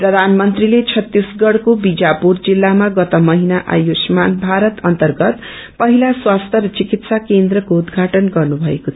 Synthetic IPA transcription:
prʌd̪ʱanmʌnt̪rilet͡sʰʌt̪ːisɡʌɽkobid͡zapurd͡zilːamaɡʌt̪ʌmʌɦinaʔa̰josmanbʱaɾʌt̪ʌnt̪ʌrɡʌt̪ | pʌɦilaswast̪ʰʌɾʌt͡sikit̪sakend̪rʌkoud̪ɡʱaʈʌnɡʌrnubʱʌekot̪ʰ

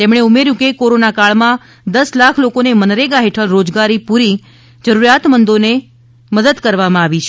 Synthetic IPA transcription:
t̪emɳ̃eumeɾjũkekoɾonakaɭmã | d̪əslakʰlokonemənɾeɡaɦeʈʰəlɾod͡ʒɡaɾipuɾi | d͡ʒəɾuɾijat̪mənd̪one | məd̪əd̪kəɾʋamãaʋit͡ʃʰe

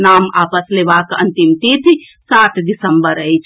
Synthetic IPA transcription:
nama̰pəslebakə̰nt̪imt̪it̪ʰi | saʈʰɖisəmbəɾəjt͡ʃʰ

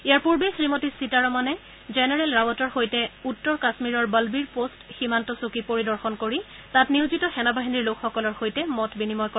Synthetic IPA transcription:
ijaɹpuɹbexɹimɔtisitaɹɔmanɛ | zɛnɛɹɛlɹabɔtɔɹxojtɛutːɔɹkasmiɹɔɹbəlbiɹpostximantɔsukipoɹidɔɹxɔnkoɹi | tatniwzitɔxɛnabaɦiniɹlokxɔkɔlɔɹxojtɛmɔtbinimɔjkɔ

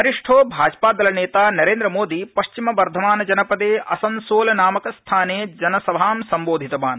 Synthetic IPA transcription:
ɐɾiʂʈʰoːbʱaːd͡ʒpaːd̪ɐlɐneːt̪aːnɐɾeːnd̪ɾɐmoːd̪ipɐʃt͡ʃimɐʋɐɾd̪ʱɐmaːnɐd͡ʒɐnɐpɐd̪eːɐsɐnsoːlɐnaːmɐkɐst̪ʰaːneːd͡ʒɐnɐsɐbʱaːmsɐmboːd̪ʱit̪ɐmaːn

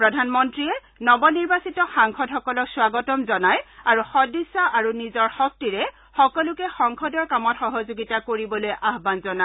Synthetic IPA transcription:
pɹɔdʱanmɔntɹiɛ | nɔbɔniɹbasitɔxaŋkʰɔdxɔkɔlɔkswaɡɔtɔmzɔnajaɹuxɔdisaʔaɹunizɔɹxɔk̚tiɹɛ | xɔkɔlʊkɛxɔŋkʰɔdɔɹkamɔtxɔɦozoɡitakoɹibɔlojʔaɦbanzɔna

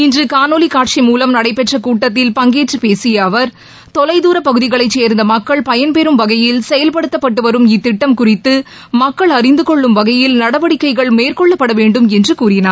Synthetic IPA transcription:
ɪndrɯkaːnoːlikaːʈ̚ʂimuːlɐmnɐɽɐɪpɛʈrɐkuːʈːɐt̪̬ːɪlpɐŋɡeːʈrɯpeːsɪjɐːʋɐɾ | t̪ɔlɐɪðuːɾɐpɐɣɯðɪɣɐɭɐɪt͡ʃːeːɾnd̪ɐmɐkːɐɭpɐjɐnpɛɾɯmʋɐɣɐjɪlsɛjɐlpɐɽɯt̪ːɐpːɐʈːɯʋɐɾɯmɪt̪ːɪʈːɐmkʊrɪt̪ːɯ | mɐkːɐɭɐrɪnd̪ɯkɔɭːɯmʋɐɣɐjɪlnɐɽɐʋɐɽɪkːɐɪɣɐɭmeːrkɔɭːɐpːɐɽɐʋeːɳɖɯmɛndrɯkuːɾɪnaːɾ

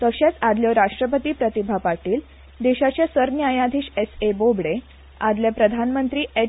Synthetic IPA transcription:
t̪əɕat͡sad̪ljɔɾaʂʈɾəpət̪iːpɾət̪ibʱapaʈiːl | d̪eɕat͡ɕjasəɾnjajãd̪ʱiːɕesebobɽe | ad̪ljapɾəd̪ʱanmənt̪ɾiːe

